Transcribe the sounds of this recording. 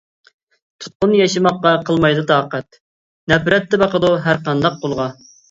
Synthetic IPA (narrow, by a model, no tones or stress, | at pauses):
t̪ʰu̥t̪̚qʊnjɛʃɨmɑqːɑqʰəlˠmɑjd̪ɨt̪ʰɑːqɛt̪ | nɛpɾɛt̪ːɛbɑqəd̪uɦæɾqɑnd̪ɑq̚ʰːolˠʁɑ